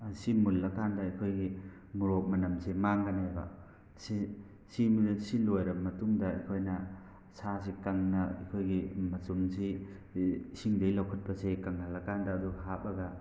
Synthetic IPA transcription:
simulːɐkandɐɐkʰojɡi | muɾok̚mɐnɐmsemaŋɡanajbɐ̰ | si | simsilojɾɐbmɐtuŋdɐɐ̰kʰojnɐ | sas̬ikaŋnɐɐ̰kʰojɡimɐsumsi | siŋdɐjlɐwkʰɐt̚pɐsekaŋhalɐkandɐːduɦapɐɡɐ

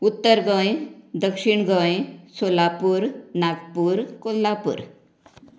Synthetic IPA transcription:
ut̪ːəɾɡə̃jd̪əkʂiɳɡə̃jsolapuɾnaɡpuɾkolːapṵɾ

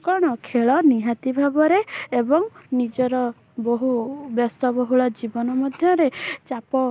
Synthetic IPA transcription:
kɔɽ̃ɔkʰeɭɔniɦat̪ibʱabɔɾeːbɔŋnid͡ʒɔɾɔ | boɦubjɔst̪ɔbɔɦuɭɔd͡ʒibɔnɔmɔd̪ʱjɔɾet͡ʃapɔ

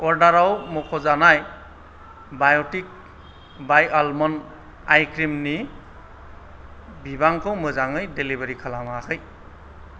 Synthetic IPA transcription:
ɔɾdaɾawmɔkʰɔzanaj | bajɔtik̚ | bajalmɔn | ajkɾimni | bibaŋkʰɯwmɯzaŋɯjdelibaɾikʰalamakʰɯj

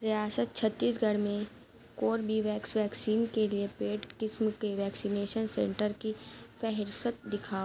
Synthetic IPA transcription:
ɾɪjaːsət̪̚t͡ʃʰət̪ːiːs̬ɡʱəɽmẽ | koːɾbʱiʋɛːksʋɛːksiːnkeliepeːʈkɪsmkeʋɛːksiːneːʃənsẽːɳʈəɾkipɛɦɾsət̪̚d̪ɪkʰaː

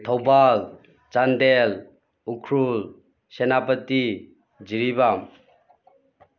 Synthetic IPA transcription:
t̪ʰɔwbal | t͡ʃand̪el | ukʰɾul | sɛnapət̪i | d͡ʒiɾibam

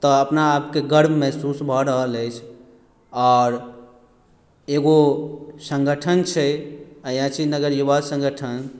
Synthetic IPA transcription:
t̪ɔəpnaːpkeɡəɾbʱmɛɦsusbʱɔɾəɦələjt͡ʃʰ | ɔːɾ | eɡosə̃ŋɡəʈʰənt͡ʃʰɛəjãt͡ʃʰinəɡəɾjubasə̃ŋɡəʈʰən

